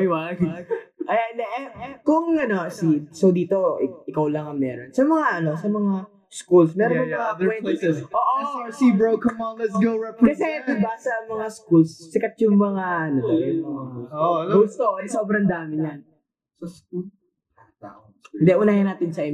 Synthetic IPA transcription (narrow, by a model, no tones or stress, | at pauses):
ʔɐjwaɡʔɐjad̪ɛʔɛkʊŋɐnoʔɐsisowd̪iːt̪o̞ɪʔɪkawlɐŋɐŋmɛ̰ːɾonsɐmɐŋaʔɐno̞sɐmɐŋa | skulsmɛːɾonʊŋmɐŋapʊmɛnʔoːʔosibɹokɐnmaɐsɡoɾɐkɐsɛt̪ʊbasɐmɐŋaskulssɪkɐt̪jʊŋmɐŋaɐnobɐɛ | ɡost̪oɐsobɾɐnd̪aːmɪɲɐn | ɪnd̪ɛʔʊnaːhjɪnaːt̪ɪnsɐʔɛ